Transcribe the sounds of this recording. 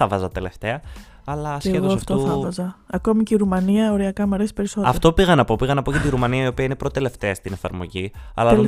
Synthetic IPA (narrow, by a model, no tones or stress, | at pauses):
ɐvɐzɐt̪e̞le̞ft̪eɐː | lɐseeɣoɐft̪oθɐvɐzɐɐko̞miceiɾumɐniɐoɾiɐkɐmɐɾesi̥pe̞ɾiso̞t̪ɐft̪o̞piɣɐnɐpo̞piɣɐnɐpo̞cet̪iɾumɐniɐio̞piɐine̞pɾo̞t̪e̞le̞ft̪e̞st̪ine̞fɐ̰ɾmo̞̰ʝiɐ̰lɐ